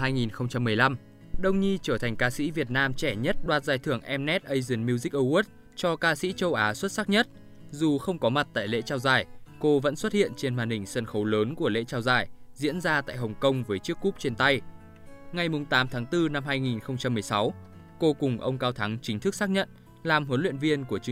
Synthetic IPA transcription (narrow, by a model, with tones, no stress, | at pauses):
ɦaː˧jŋi˨˩nxə˧wŋ͡mt͡ɕa˧mːɨ˨˩əjla˧m | ɗə˧wŋ͡mɲi˧t͡ɕəː˧˩t̪ʰa˨˩ŋ̟kaː˧sḭ˧˥vi˨˩ət̚naː˧mt͡ɕɛ˧˩ɲə˦˥t̚ɗwaː˨˩t̚zaː˨˩jt̪ʰɨ˧˩əŋʔɛ˧mnɛ˦˥t̚ʔə˧jzɨ˨˩nmi˧wzi˦˥k̚ʔə˧wu˦˥t̚ | t͡ɕɔ˧kaː˧sḭ˧˥t͡ɕə˧wʔaː˨˦swə˦˥t̚saː˦˥k̚ɲə˦˥t̚ | zu˨˩xə˧wŋ͡mkɔ˨˦ma˨˩t̚t̪a̰ː˧˨jlḛ˧˥t͡ɕaː˧wzaː˧˩jko˧və̰˧˥nswə˦˥t̚hḭ˧˨ənt͡ɕe˧nmaː˧˩nhï˧˩ŋ̟sə˧nxə˨˦wləː˨˦nku˧˩əlḛ˧˥t͡ɕaː˧wzaː˧˨˩jzḭ˧˥ənzaː˧t̪a̰ː˧˨jɦə˨˩wŋ͡mkə˧wŋ͡mvəː˨˦jt͡ɕɨ˦˥əkːu˦˥p̚t͡ɕe˧nt̪a˧j | ŋa˨˩jmʊ˨˩ŋ͡mt̪aː˨˦mt̪ʰaː˨˦ŋt̪ɨ˧na˧mɦaː˧jŋi˨˩nxə˧wŋ͡mt͡ɕa˧mːɨ˨˩əjsa˨˦w | ko˧kʊ˨˩ŋ͡mʔə˧wŋ͡mkaː˧wt̪ʰa˨˦ŋt͡ɕï˨˦ŋ̟t̪ʰɨ˦˥k̚saː˦˥k̚ɲə̰˧˨n | laː˨˩mɦə˨˦nlwḭ˧˨ənvi˧ənku˧˩ət͡ɕ